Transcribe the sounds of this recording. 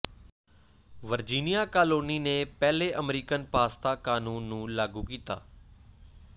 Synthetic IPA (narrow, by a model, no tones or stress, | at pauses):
ʋəɾd͡ʒiːnijaːkaːloːniːneːpɛːleːʔəmɾiːkənpaːst̪aːkaːnuːnːũːlaːɡuːkiːt̪a̰ː